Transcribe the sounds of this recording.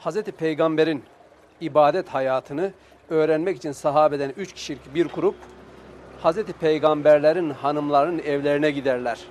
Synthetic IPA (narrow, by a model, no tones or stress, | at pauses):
hazɾɛt̪ʰipʰejɡambeɾin | ibaːd̪ɛt̪hajaːt̪ʰɯnɯ | øːɾænmɛci̥t͡ʃʰinsaɦaːbɛd̪ænyt͡ʃcʰi̥ʃilʲicbiɾɡʰuɾup̚ | hazɾɛt̪ipʰejɡambæɾlʲeɾinhanɯmlˠaɾnɯnɛvlʲeɾinɛɟid̪æɾlʲæɾ̥